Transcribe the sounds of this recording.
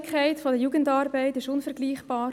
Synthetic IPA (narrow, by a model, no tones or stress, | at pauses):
kʰæɪtfodəjuːɡəntɑːɾbɛɪtɪʃʊnfɛɾɡliːχb̥ɑːɾ